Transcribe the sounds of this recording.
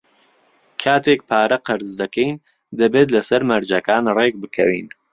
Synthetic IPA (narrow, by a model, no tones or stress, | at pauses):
kʰaːt̪ʰek̚pʰaːɾɐqɨɾzd̪ɐkɛjn | d̪ɐbeːt̪̬lɐsɐɾmɐɾd͡ʒɐkaːnreːk̚bɨkʰɐwḭːn